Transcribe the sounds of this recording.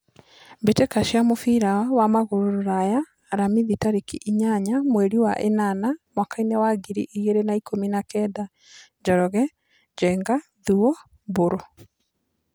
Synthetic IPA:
mbetekaʃiamofiɾawamaɣoɾoɾoɾajaː | ɾamiðitaɾekiʔiɲaɲamweɾiwa̰ʔenanamwakainɛwaɡiɾḭʔiɣeɾenaikominakɛda | d͡ʒɔɾɔɣɛ | d͡ʒɛŋɡa | ðuɔ | boɾɔ

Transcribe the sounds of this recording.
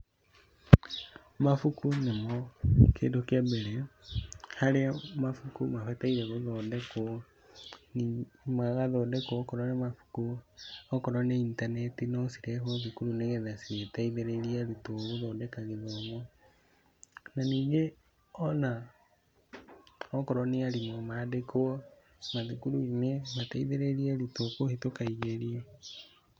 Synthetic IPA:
mafukunemɔkḛːndokabɛɾɛ | haɾeamafukumafɛtaiɾɛɣoðɔːdɛko | nimaɣaðɔdɛkoɔkɔɾɔnemafu̥kuɔkɔɾɔneintanetinɔsiɾɛɦoðikuɾuneɣeðasiɾetaiðeɾeɾiaɾitoɣoðɔːdɛkaɣeðɔmo | naniːɣe | ɔna | ɔkɔɾɔneaɾimomadekoɔ | maðikuɾuinemataiðeɾeɾiaɾitokohetokaiɣeɾie

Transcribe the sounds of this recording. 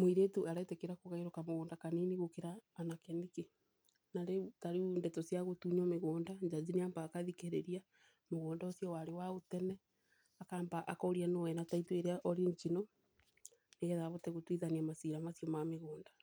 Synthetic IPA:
moiɾetuʔaɾatekeɾakoɣaeɾokamoɣoːndakaniniɣokeɾaːnakɛnike | naɾeutaɾiundɛtɔsjaɣotuɲɔmeɣoːndaɲd͡ʒazineambaːkaðikeɾeɾia | moɣoːndaosjɔwaɾewaotɛnɛ | akaːmbaʔakɔoɾianowɛnataitueɾeaʔɔɾiɲt͡ʃino | neɣɛðaβotɛɣotwiðaniamasiɾamasjɔmameɣoːnda

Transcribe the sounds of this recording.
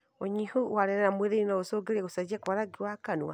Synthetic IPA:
oɲihuwaɾɛɾɛnamweðeinaosoɡeɾeɣosad͡ʒɛkwaɾaɡiwakanua̰

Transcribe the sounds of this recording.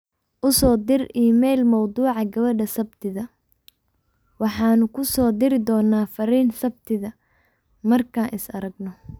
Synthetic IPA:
ʔʊsɔːd̪ɪriːmɛjlmɐwd̪uːʕɑɡɐβɐɖɐsɐbt̪ʰɪðɐ | wɑħɑːnʊkʰʊsɔːd̪ɪɾɪd̪ɔːnːaːfɐɾiːnsɐb̚t̪ʰɪðɐ | mɐrkʰaːnʔɪsɐɾɐɡnɔ

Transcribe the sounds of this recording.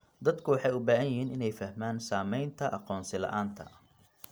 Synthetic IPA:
d̪ɐd̪kʰʊwɑħɑjʊbaːɦɐjɪɦiːnɪnɛjfɐhmaːnsaːmɛjnt̪ʰɐʔɑqɔːnsɪlɐ̰ʔaːnt̪ʰɐ̰

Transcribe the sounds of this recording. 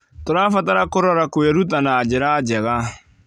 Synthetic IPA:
toɾaːfataɾakoɾɔɾakweɾutanaːd͡ʑɪɾaːd͡ʒɛɣa

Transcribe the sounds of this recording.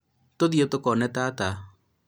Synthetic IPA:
toðiotokɔnɛtata

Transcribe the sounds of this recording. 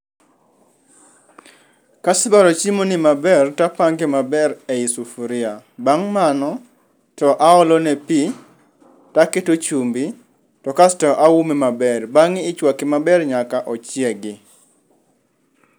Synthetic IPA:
kasɪbaɾɔt͡ʃimonimabɛrtapaŋɡemabɛɾɛisufuɾɪabaŋmanɔ | tɔʔaɔlɔnɛpi | taketot͡ʃumbi | tɔkastɔʔaumemabɛrbaŋɪːt͡ʃwakɪmabɛrɲakaʔɔt͡ʃɪɛɡɪ

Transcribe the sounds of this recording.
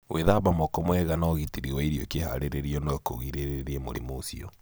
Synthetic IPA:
wʔeðabamɔkɔmwɛɣanaɔɣitiɾiwaiɾiɔkeha̰ɾeɾeɾiɔnɔkoɣiɾeɾeɾiɛmo̰ɾḛmoːsiɔ

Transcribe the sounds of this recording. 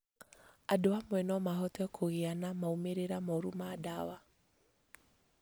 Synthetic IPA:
adoamwɛnɔmaɦɔtɛkʰoɣeanamaumeɾeɾamɔɾumaːdawa

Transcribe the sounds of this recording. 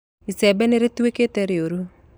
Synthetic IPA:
isɛbɛneɾet̪ueket̪eɾeoɾu

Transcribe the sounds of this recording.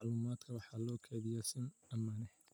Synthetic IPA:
ɑʕluːmaːd̪kʰɐwɑħɑːlɔːkʰɛðɪjasɪnɐmaːnɛh

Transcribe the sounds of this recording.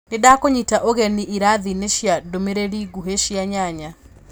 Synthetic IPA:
nɪdakoɲitaʔoɣeniʔiɾaðineʃjadomeɾeɾiɡuɦeʃjaɲaɲa

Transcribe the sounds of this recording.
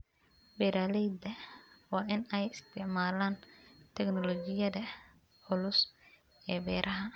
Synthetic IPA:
bɛɾaːlɛjd̪ɐwɑːʔɪnɛjɪst̪ʰɪʕmaːlaːnt̪ʰɛɡnɔlɔːt͡ʃɪjɐðɐ | ʕʊlʊs | ɛːbɛːɾʔɐɦɐ

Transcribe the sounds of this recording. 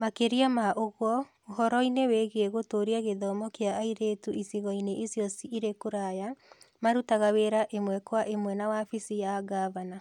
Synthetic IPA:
makeɾiamaʔoɣwɔ | oɦɔɾɔineweɣeeɣotoɾiaɣeðɔmɔkeaːiɾetuʔisiɣɔineʔisjɔsiʔiɾekoɾajamaɾutaɣaweɾaʔemwɛkwaʔemwɛnawafisijaɡavana

